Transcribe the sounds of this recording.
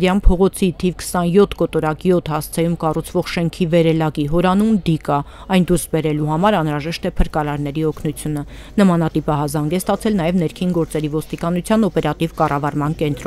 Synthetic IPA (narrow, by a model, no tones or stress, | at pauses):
ɾjɑnpʰɔʁɔt͡sʰit̪ʰivkʰə̥sɑnjɔt̪ʰkɔt̪ɔɾɑkijɔt̪ʰhɑst͡sʰɛjumkɑrut͡sʰvɔʁʃɛŋkʰivɛɾɛlɑɡiɦɔɾɑnumd̪ikɑ | ɑjnd̪uɾsbɛɾɛluhɑmɑɾɑnɾɑʒɛʃt̪ɛpʰəɾkɑɾɑɾn̪ɛɾiɔkʰnut͡sʰjunə | nəmɑnɑt̪ipɑɦɑzɑŋɡɛst̪ɑt͡sʰɛlnɑjɛvn̪ɛɾkʰinɡɔɾt͡sɛɾivɔst̪ikɑnut͡sʰjɑnɔpɛɾɑt̪ivkɑrʔɑvɑɾmɑnkɛnt̪ɾɔ